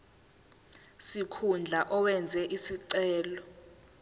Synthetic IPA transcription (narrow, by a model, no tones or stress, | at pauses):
sikʰund͡ɮʱaʔɔwɛnd͡zʱɛʔisiǀɛːlɔ